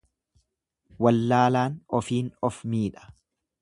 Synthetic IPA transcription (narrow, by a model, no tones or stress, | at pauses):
wɐlːaːlaːnɔfiːnɔfmiːᶑɐ̥